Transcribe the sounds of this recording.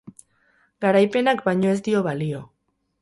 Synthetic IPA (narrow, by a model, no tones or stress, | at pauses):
ɡaɾajpe̞nakbajɲo̞e̞zd̪io̞βalio̞